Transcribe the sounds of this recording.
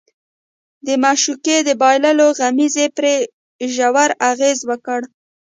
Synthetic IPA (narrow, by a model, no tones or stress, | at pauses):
d̪əmɑʃuked̪əbɑjlaloɣamizepɾe | ʒawaɾaɣezwəkəɽ